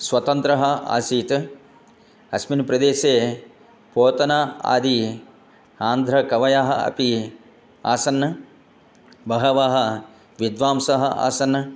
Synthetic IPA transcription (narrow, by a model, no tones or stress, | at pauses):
sʋɐt̪ɐnt̪ɾɐɦɐa̰ːsiːt̪ | ɐsminpɾɐd̪eːseː | poːt̪ɐnaːa̰ːd̪i | aːnd̪ʱɾɐkɐʋɐjaːɦɐɐ̰pi | a̰ːsɐnːɐ | bɐɦɐʋaːɦɐ | ʋid̪ʋaːmsɐɦɐa̰ːsɐnːɐ